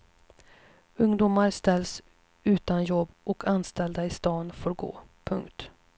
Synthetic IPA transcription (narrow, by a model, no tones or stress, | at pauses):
ɵŋd̪uːmaɾst̪ɛls | ʉ̟ːt̪anjɔbːɔkʰanst̪ɛld̪aɪst̪ɑːnfoːɾɡo̰ː | pʰɵŋkt̪